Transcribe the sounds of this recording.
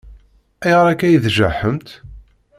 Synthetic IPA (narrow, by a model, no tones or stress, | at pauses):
æjʁɾˤækːæjðʒəħəmt̪